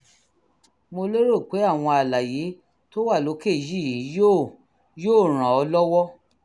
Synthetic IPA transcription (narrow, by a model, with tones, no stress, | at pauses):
mo˧le˦ɾo˦˨k͡pe˨˦a˦˨w̃ɔ̃˧a˨la˨je˨˦ | to˦wa˦˨lo˨˦ke˦˨ji˦˨ji˨˦jo˦ | joː˦˨ɾ̃ã˨ɔ˧lɔ˦wɔ˦